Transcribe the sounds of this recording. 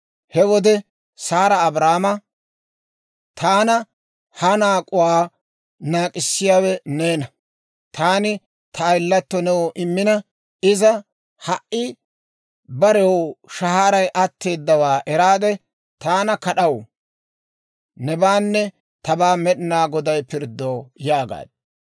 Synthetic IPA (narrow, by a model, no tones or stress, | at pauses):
hɛwɔd̪ɛ | saːɾɐːbɾaːmɐ | t̪ʰaːnɐ | hɐnaːkʼʊwaː | naːkʼɪsːɪjaːwɛne̞ːnɐ | t̪ʰaːnɪ | t̪ʰɐːjlːɐt̪ːɔnɛwɔʔɪmːɪnɐ | ɪzɐ | hɐʔʔɪ | bɐɾɛwʃɐɦaːɾɐjʔɐt̪ːe̞ːd̪ːɐwaːʔɛɾaːd̪ɛ | t̪aːnɐkɐɗɐw | nɛbaːnːɛ | t̪ɐbaːmɛɗɪnaːɡɔd̪ɐjpɪɾd̪ːoːjaːɡa̰ːd̪̥̚